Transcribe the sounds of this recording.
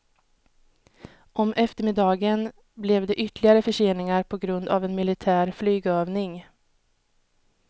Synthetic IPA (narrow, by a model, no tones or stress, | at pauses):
ʔɔmʔɛft̪əɾmɪd̪ɑːɡən | blɛvd̪ɛʔʏt̪lɪɡaɾəfœʂeːnɪŋaɾpʰɔɡɾɵnd̪a̰vɛnmɪlɪt̪ʰæːɾflyːɡøːvnɪŋ